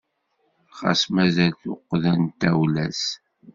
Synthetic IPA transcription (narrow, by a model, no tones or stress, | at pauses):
χɑ̰smæzælθʊqːðænt̪æwlæs